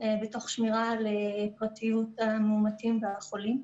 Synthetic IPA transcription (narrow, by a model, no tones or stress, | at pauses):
beto̞χʃmiʁalepʁatijutamumatimveaχo̞lim